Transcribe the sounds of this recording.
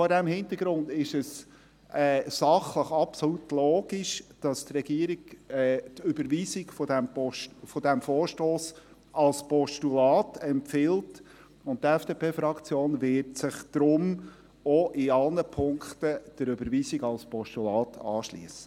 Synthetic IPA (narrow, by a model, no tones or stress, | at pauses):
fɔɾdæmhɪnt̪əɡ̥ɾʊnd̪ɪʃəs | ɛːsɑχləχɑpsɔlutloːɡ̥iʃd̥ɑst̪rɛɡiəɾiɡɛt̪ʏbəɾʋiːsiɡfɔdæmfɔd̥æmfɔːɾʃtoːs | ɑlspɔʃtulɑːtʰɛmpfɪlt | ʊnttːɛfd̥eːpʰeːfɾɑkt͡sjoːnʋɪɾtsɪχd̪̥ɾʊm | ɔʔɪɑlnəpʰʊŋkt̪əd̥əɾøbəɾʋiːsiɡɑlspɔʃtulɑːt̪ʰɑ̰ːʃlḭəsə̥